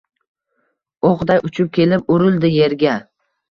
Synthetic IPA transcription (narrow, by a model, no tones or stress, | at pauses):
oqd̪ajʊt͡ʃʰʊp̚kʲʰe̞lɪp̚ʊɾɪlˠd̪ɪje̞ɾɡʲa